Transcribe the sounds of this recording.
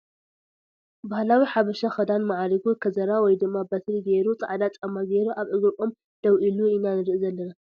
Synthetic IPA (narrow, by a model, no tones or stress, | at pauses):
bahlawiħaβɐʃaxɐd̪anmaʕaɾiɡukʰɐzɐɾawɔjd̪ɨmːabɐt̪ʰliɡeɾut͡sʼaʕd̪at͡sʼɐmːaɡeɾuʔaβʔɨɡɨkʼom | d̪̥ɐwʔiluinanɨɾɨʔzɐlːɐna